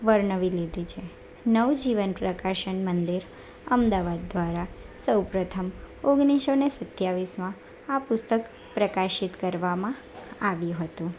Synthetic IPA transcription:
ʋəɾɳəʋiled̪it͡ʃʰe | nəʋd͡ʒiʋənpɾəkaʃəɳmənd̪iɾ | əmd̪aʋad̪ːʋaɾasəwpɾət̪ʰəmoɡniʃonesət̪jaʋismã | apʊst̪ək | pɾəkaʃit̪kəɾʋamã | aʋjũɦət̪ũ

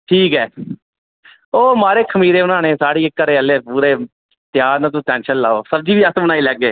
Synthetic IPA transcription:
ʈʰiːkɦɛː | oːmaːɾeːkʰəmiːɾeːʊnaːneːsaːɽiːɪkːəɾeːəleːpuːɾeː | t̪ɪjaːɾnãːt̪̬ũːtɛ̃ːnʃənla̰ːoːsəb̚d͡ʒiːʋiːəsbənaːiːlɛːɡeː

